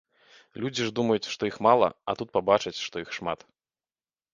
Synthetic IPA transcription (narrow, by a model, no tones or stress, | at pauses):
lʲud͡zʲiʐd̪umɐjut͡sʲʂt̪ɔjixmalˠɐ̰ɐt̪ut̪̚pabat͡ʂɐt͡sʲʂt̪ɔixʂma̰t̪